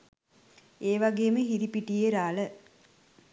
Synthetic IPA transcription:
eːʋaɡeːməɦiɾipiʈijeɾaːlə

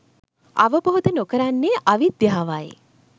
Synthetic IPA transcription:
a̰ʋəboɦod̪ənokəɾanːeʔaʋid̪jaɦaʋaḛ

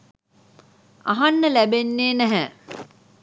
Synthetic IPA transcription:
a̰ɦanːəlæbenːeːnæɦæ

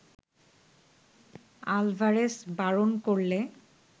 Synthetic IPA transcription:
albʱaɹesbaɹonkoɹle

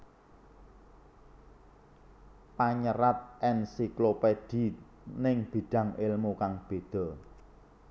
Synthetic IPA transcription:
paɲəɾat̪̚ʔɛnsikloped̪̥i̤ | nɪŋb̥i̤ɖ̪̥ä̤ŋɪlmukaŋb̥e̤d̪̥ɔ̤

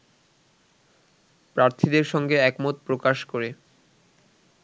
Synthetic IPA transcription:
pɾaɾt̪ʰid̪eɾʃɔŋɡeɛkmot̪̚pɾokaʃkoɾe

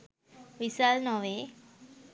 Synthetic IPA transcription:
ʋisalnɔʋe

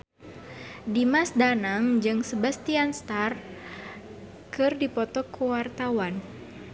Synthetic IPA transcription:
dimasdanaŋd͡ʒɨŋsəbast̪ianst̪ar | kɨrdipɔt̪ɔkʰəwart̪awan

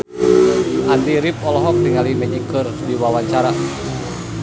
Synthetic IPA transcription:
ʔandiɾip̚ɔlɔɦɔk̚niŋalimɛɲikɨrdiwawaɲt͡ʃaɾa

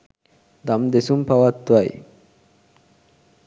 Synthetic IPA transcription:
d̪amd̪esumpaʋat̪ːʋaj

